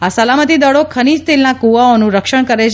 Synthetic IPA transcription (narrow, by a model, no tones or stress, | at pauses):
asəlamət̪id̪əɭokʰənid͡ʒt̪elnakuʋaonũɾəkʃəɳkəɾet͡ʃ